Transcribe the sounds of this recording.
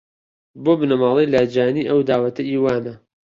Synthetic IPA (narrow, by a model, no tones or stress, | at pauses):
boːbɨnɐmɑːlˠejlad͡ʒaːniːʔɐwd̪aːwɐt̪ʰɐʔiːwaːnɐ